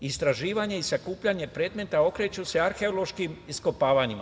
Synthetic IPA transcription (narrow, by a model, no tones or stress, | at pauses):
ist̪ɾaʒiːʋaɲe̞isakuːpʎaɲe̞pɾe̞ːd̪me̞t̪ao̞kɾe̞t͡ɕuse̞aɾxe̞olˠo̞ʃkimisko̞paːʋaɲima̰